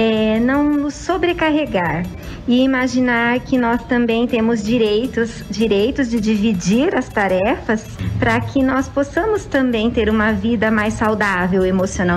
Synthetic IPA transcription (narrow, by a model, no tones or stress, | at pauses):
ɛnɐ̃w̃nʊsːobɾekaɦeɡaɾ | ɪimaʒinaɾkɪnɔst̪ɐ̃mbẽj̃t̪ẽmʊzd͡ʒiɾejt̪ʊs | d͡ʒiɾejt̪ʊzd͡ʒɪd͡ʒivid͡ʒiɾɐst̪aɾɛfɐspɾɐkʰɪnɔsposɐ̃mʊst̪ɐ̃mbẽj̃t̪eɾũmɐvid̪ɐmajsawd̪avewemosionaw